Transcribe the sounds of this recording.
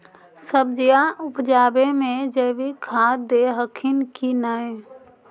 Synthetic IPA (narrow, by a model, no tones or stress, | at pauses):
səb̚d͡ʒijaʔʊpd͡ʒaːbemẽd͡ʒəbikʰad̪eɦəkʰinkinae